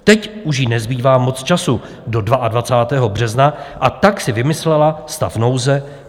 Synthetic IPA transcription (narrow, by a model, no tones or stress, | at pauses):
t̪ɛcʔuʃ̬jinɛzbiːvaːmo̞t͡st͡ʃasu | do̞dvaʔadvat͡saːt̪ɛːɦo̞br̝ɛznaʔat̪aksɪvɪmɪslɛlast̪afno̞wzɛ